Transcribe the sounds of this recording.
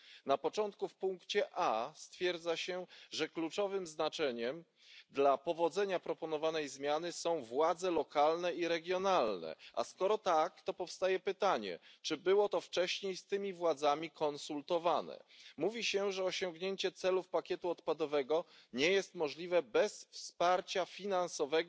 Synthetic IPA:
napɔt͡ʂɔnt̪kufpuŋkt͡ɕɛʔast̪fʲjɛɾd̪zaɕɛʐɛklut͡ʂɔvɘmznat͡ʂɛɲɛm | d̪lapɔvɔd̪zɛɲapɾɔpɔnɔvanɛjzmʲjanɘsɔ̃w̃vwad̪zɛlɔkalnɛiɾɛɡʲjɔnalnɛ̰ʔa̰skɔɾɔt̪akt̪ɔpɔfst̪ajɛpɘt̪aɲɛ̰t͡ʂɘbɘwɔt̪ɔft͡ʂɛɕɲejst̪ɘmʲivwad̪zamʲikʰɔnsult̪ɔvanɛ̰muvʲiɕɛʐɛɔɕɔŋɡɲeɲt͡ɕɛt̪sɛlufpakʲjɛt̪uɔt̪pad̪ɔvɛɡɔɲɛjɛst̪mɔʐlʲivɛbɛsfspaɾt͡ɕafʲinansɔvɛɡ

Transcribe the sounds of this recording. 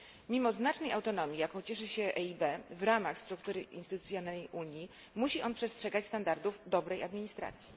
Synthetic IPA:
mʲimɔznat͡ʂnɛjawt̪ɔnɔmʲjijakɔ̃w̃t͡ɕɛʂɘɕɛʔɛibɛvɾamaxst̪ɾuk̚t̪uɾɘʔḭnst̪ɘt̪ut̪sʲjɔnajʔuɲji | muɕiʔɔnpʂɛstʂɛɡat͡ɕst̪and̪aɾd̪uvd̪ɔbɾɛjad̪mʲiɲist̪ɾa̰t̪sʲji̥

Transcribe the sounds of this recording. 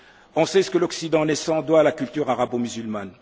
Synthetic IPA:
ɔ̃sɛsə̥kəlɔksid̪ɑ̃nɛsɑ̃d̪waːlakʲylt̪yʁaʁabomyzylman

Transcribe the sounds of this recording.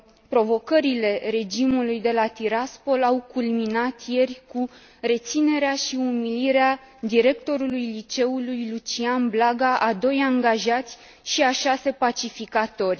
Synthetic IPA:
pɾo̞vo̞kəɾile̞ɾe̞d͡ʒimulujd̪e̞lat̪iɾaspo̞lawkulminat̪je̞rʲku | re̞t̪sine̞ɾeaʃiumiliɾea | d̪iɾe̞kt̪o̞ɾulujlit͡ʃe̞ulujlut͡ʃianblaɡaʔad̪o̞jaŋɡaʒat̪sʲ | ʃiaʃase̞pat͡ʃifikat̪o̞rʲ

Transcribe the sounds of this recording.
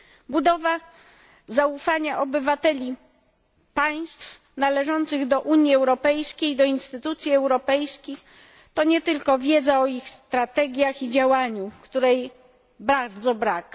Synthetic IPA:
bud̪ɔva | zaufaɲaʔɔbɘvat̪ɛlʲi | paj̃st̪f | nalɛʐɔnt̪sɘɣd̪ɔʔuɲjiɛwɾɔpɛjskʲejd̪ɔinst̪ɘt̪ut̪sʲjiɛwɾɔpɛjskʲix | t̪ɔɲɛt̪ɘlkɔvʲjɛd̪zaɔixst̪ɾat̪ɛɡʲjaxid͡ʑawaɲukt̪uɾɛj | baɾd̪zɔbɾak

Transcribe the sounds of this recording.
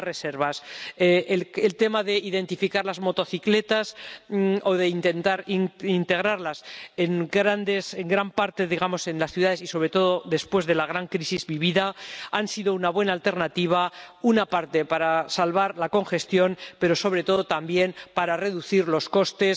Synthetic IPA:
reseɾβaseelt̪e̞maðe̞iðe̞nt̪ifikaɾlazmo̞t̪o̞θikle̞t̪as | o̞ðe̞int̪e̞nt̪aɾiint̪e̞ɣ̞ɾaɾlaseŋɡɾand̪e̞se̞ŋɡɾampaɾt̪e̞ðiɣamo̞se̞nlasθjuðaðe̞siso̞β̞ɾe̞t̪o̞ðo̞ðe̞spwe̞zðe̞laɣ̞ɾaŋkɾisizβiβiðaansiðounaβwe̞nalt̪e̞ɾnat̪iβ̞aunapaɾt̪e̞paɾasalβaɾlako̞ŋxe̞st̪jo̞npe̞ɾo̞so̞β̞ɾe̞t̪o̞ðo̞t̪ambje̞npaɾare̞ðuθiɾlo̞sko̞st̪e̞s

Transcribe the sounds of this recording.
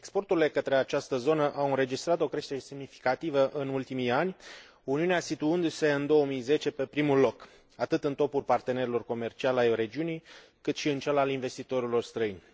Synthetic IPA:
ekspo̞rt̪uɾile̞kət̪ɾe̞at͡ʃast̪əzo̞nəʔawɨnɾe̞d͡ʒist̪ɾat̪o̞kɾe̞ʃt̪e̞ɾe̞semnifi̥kat̪ivəʔɨnult̪imijanʲ | uniuneasit̪uɨnd̪use̞ɨnd̪o̞əmijze̞t͡ʃe̞pe̞pɾimulo̞k | at̪ɨt̪ɨnt̪o̞pulpart̪e̞ne̞ɾelo̞rko̞me̞rt͡ʃialajre̞d͡ʒiunij | kɨt̪ʃiɨnt͡ʃelalinve̞st̪it̪o̞ɾilo̞rst̪ɾəinʲ

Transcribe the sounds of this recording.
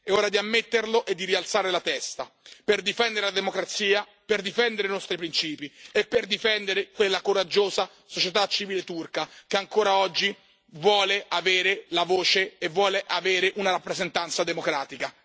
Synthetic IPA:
eoːɾad̪iamːet̪ːerloʔed̪ːiɾialt̪saːɾelat̪ɛst̪a̰perd̪ifɛnd̪eɾelad̪emokɾat̪siːa | perd̪ifɛnd̪eɾeinɔst̪ɾipɾint͡ʃiːpiepːerd̪ifɛnd̪eɾekwelːakoɾad͡ʒːoːza | sot͡ʃet̪at͡ʃiviːlet̪urkakeaŋkoːɾaɔd͡ʒːi | vwɔːleʔaveːɾelavoːt͡ʃeːvːwɔːleʔaveːɾeʔunaɾapːɾezent̪ant̪sad̪emokɾaːt̪ika

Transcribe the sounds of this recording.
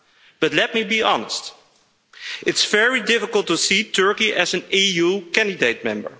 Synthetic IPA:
b̥ʌtˡlɛt̚mibiʔɑnə̰st | ɪtsfɛɹidɪfəklˠtusitʰɜ˞kiʔæzɨ̃nijukæ̃ndideɪt̚mɛ̃mbə̰˞

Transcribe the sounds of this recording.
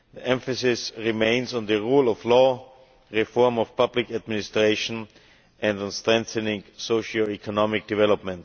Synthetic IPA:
ðiʔɛ̃ɱfəsɪsɹimẽɪ̃nzɔ̃nðəɹuːlɔflɔ | ɹifɔɹmɔfpʰablɪkad̚mɪnɪstɹeɪʃɔ̃n | ʔɛ̃nd̃n̩stɹɛ̃ŋθənɪ̃ŋsoʊʃəlikʰɔnɔmɪk̚d̥ɪvɛlɔpmɛ̃nt

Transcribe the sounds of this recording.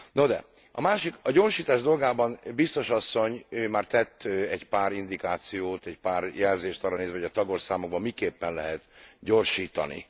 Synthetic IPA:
nod̪ɛ̰ | ɒ̰maːʃikɒɟo̞rʃiːt̪aːʒd̪o̞lɡaːbɒnbist̪o̞ʃɒsːo̞ɲøːmaːrt̪ɛt̪ːɛɟpaːɾind̪ikaːt̪sijoːt̪ɛcpaːrjɛlzeːʃt̪ɒrːɒneːzvɛɦoɟɒt̪ɒɡorsaːmoɡ̚bɒmːikeːpːɛnlɛɦɛt̪ɟoːrʃiːt̪ɒ̰nḭ

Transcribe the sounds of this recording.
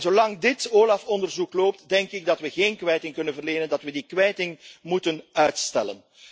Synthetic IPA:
zolɑŋdɪtoːlɑfɔndərzukloːp̚tdɛŋkɪɡ̚dɑtwʋəɣeːnkʋɛjtɪŋkɵnənvərleːnəndɑtʋədikwɛjtɪŋmutənœɥtstɛlə̰n

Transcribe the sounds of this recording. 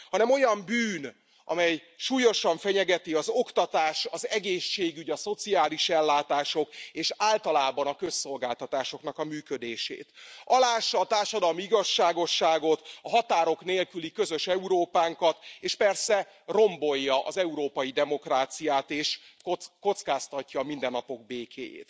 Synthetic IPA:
hɒnɛmo̞jɒmbyːn | ʔɒ̰mɛjʃuːjo̞ʃɒɱfɛɲɛɡɛt̪iɒzo̞kt̪ɒt̪aːʃɒzɛɡeːʃːeːɡyɟɒso̞t̪siaːliʃɛlːaːt̪aːʃo̞keːʃaːlt̪ɒlaːbɒnɒkø̞sːo̞lɡaːlt̪ɒt̪aːʃoknɒkɒmyːkø̞d̪eːʃḛːt̪ɒlaːʃːɒːt̪aːrʃɒd̪ɒlmiiɡɒʃːaːɡo̞ʃːaːɡo̞t̪ɒɦɒt̪aːɾo̞kneːlkylikø̞zø̞ʃɛuɾoːpaːŋkɒt̪eːʃpɛrsɛ | ro̞mbo̞jːɒʔɒ̰zɛuɾoːpɒjid̪ɛmo̞kraːt̪sijaːt̪eːʃoko̞t̪skaːst̪ɒcːɒːmind̪ɛnːɒpo̞ɡ̚beːkʰḛːjḛːt̪

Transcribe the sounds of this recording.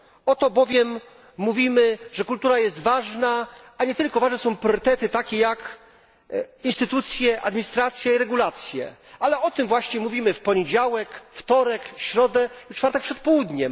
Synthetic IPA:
ɔt̪ɔbɔvʲjɛmː | uvʲimɘʐɛkult̪uɾajɛst̪vaʐnaaɲɛt̪ɘlkɔvaʐnɛsɔ̃w̃pɾʲjɔɾɘt̪ɛt̪ɘt̪akʲɛjak | inst̪ɘt̪ut̪sʲjɛʔad̪mʲiɲist̪ɾat̪sʲjaiɾɛɡulat̪sʲjɛ̰alɛɔt̪ɘmvwaɕɲɛmuvʲimɘfpɔɲed͡ʑawɛkft̪ɔɾɛkɕɾɔd̪ɛlut͡ʂfaɾt̪ɛkpʂɛt̪pɔwud̪ɲɛm

